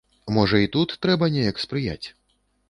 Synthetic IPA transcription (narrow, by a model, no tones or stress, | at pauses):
mɔʐɐit̪ut̪ːɾɛbɐnʲɛjɐkspɾɨja̰t͡sʲ